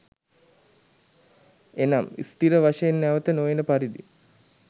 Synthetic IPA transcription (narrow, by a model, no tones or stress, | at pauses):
enamḭst̪iɾəʋaʃəenːæʋət̪ənojenəpaɾid̪ḭ